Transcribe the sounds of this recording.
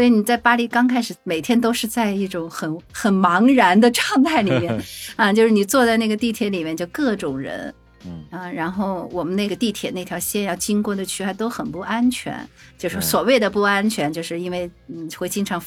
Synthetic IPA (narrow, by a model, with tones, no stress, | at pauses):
swɔ˧˥i˧˥ni˨˩t͡sa˥˩ɪpa˥li˥˩kɑ˥ŋkʰa˥ɪʂɻ̩˨˩˦me˨˩ɪt̪ʰjɛ˥nt̪̬o˥ʊʂɻ̩˥˧t͡sa˥˧ɪi˥˩ʈ͡ʂʊ˨˩˦ŋxə˨˩nxə˨˩nmɑ˧˥ŋɻa˧˥nd̪ə˧ʈ͡ʂʰɑ˥˧ŋt̪a˥˩ɪli˨˩mjɛ˥˩nɐ˥˧t͡ɕjo˥˧ʊʂɻ̩˥˩ni˨˩t͡swɔ˥˧t͡sa˥˧ɪna˥˩ɡə˩t̪i˥˩t̪ʰjɛ˧˥li˨˩mjɛ˥˧nt͡ɕjo˥˩ʊkɤ˥˩ʈ͡ʂʊ˨˩ŋɻə̰˧˥n | ə˧ɻa˧˥nxo˥˩ʊwɔ˨˩mə˦ne˥˩ɡə˩t̪i˥˩t̪ʰjɛ˨˩ne˥˩t̪ʰjɑ˧˥ʊɕjɛ˥˧njɑ˥˩ʊt͡ɕi˥ŋkwɔ˥˩d̪ə˩t͡ɕʰy˥a˥˩ɪt̪o˥ʊxə˨˩npu˥˩a˥nt͡ɕʰɥɛ̰˧˥nt͡ɕjo˥˧ʊʂ̩˥˩ʂɔ˥swɔ˨˩we˥˩ɪd̪ə˩pu˥˩a˥nt͡ɕʰɥɛ˧˥nt͡ɕjo˥˧ʊʂɻ̩˥˧i˥nwe˥˩ɪn̩˥˩xwe˥˩ɪt͡ɕi˥ŋʈ͡ʂʰɑ˧˥ŋ